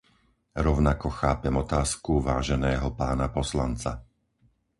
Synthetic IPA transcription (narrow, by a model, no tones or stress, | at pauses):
ɾɔʊnakɔxaːpɛmɔt̪aːskuʋaːʒɛnɛːɦɔpaːnapɔslant͡sa̰